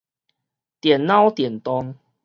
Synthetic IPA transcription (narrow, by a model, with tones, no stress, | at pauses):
t̪jɛ˨˩nnã˦wt̪jɛ˨˩nt̪ɔ˦ŋ